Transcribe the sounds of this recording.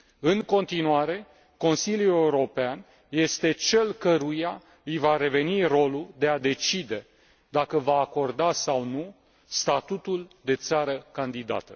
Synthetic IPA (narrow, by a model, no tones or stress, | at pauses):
ɨŋko̞nt̪inuaɾe̞ | ko̞nsiljule̞uɾo̞pean | je̞st̪e̞t͡ʃe̞lkəɾuja | ɨjvaɾe̞ve̞niro̞lud̪e̞ad̪e̞t͡ʃid̪e̞ | d̪akəvaːko̞rd̪asawnu | st̪at̪ut̪uld̪e̞t̪saɾəkand̪id̪a̰t̪ə